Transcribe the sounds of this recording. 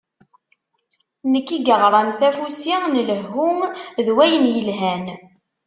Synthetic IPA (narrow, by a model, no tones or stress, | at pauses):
nəkːiɡəʁɾˤɑnθæfusinələɦːuŋðwæjənjəlɦæn